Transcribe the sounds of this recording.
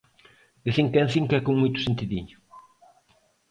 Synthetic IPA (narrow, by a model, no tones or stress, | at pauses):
d̪ɪsiŋkɛnθiŋkɛkoŋmujt̪ʊ̥sent̪iðiɲʊ